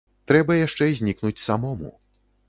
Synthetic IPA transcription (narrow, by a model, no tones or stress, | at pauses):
t̪ɾɛbɐjaʂt͡ʂɛzʲnʲiknut͡sʲsamɔmṵ